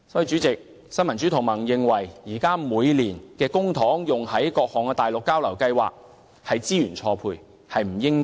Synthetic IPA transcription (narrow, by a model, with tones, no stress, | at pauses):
sɔ˨˥ji˧t͡ʃyː˨˥t͡sɪ˨k̚ | sɐ˥nmɐ˨˩nt͡syː˨˥t̪ʰʊ˨˩ŋmɐ˨˩ŋjɪ˨ŋwɐ˨˩jjiː˨˩kaː˥muː˨˧jliː˨˩nkɛː˧kʊ˥ŋt̪ʰɔː˨˥ŋjʊ˨ŋhɐ˨˥jkɔː˧k̚hɔː˨˩ŋkɛː˧t̪aː˨jlʊ˨kːaː˥wlɐ˨˩wkɐ˧jwa̰ː˨k̚ | hɐ˨jt͡siː˥jyː˨˩nt͡ʃʰɔː˧pʰṵː˧j | hɐ˨jm̩˨˩jɪ˥ŋ